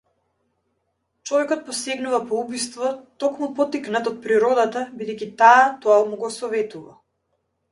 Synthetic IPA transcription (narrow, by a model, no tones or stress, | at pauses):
t͡ʃɔvɛkɔt̪̚pɔsɛɡnuvapɔubist̪vɔt̪ɔkmupɔt̪iknat̪ɔt̪̚pɾiɾɔd̪at̪abid̪ɛjkʲit̪aat̪ɔamuɡɔsɔvɛt̪uva̰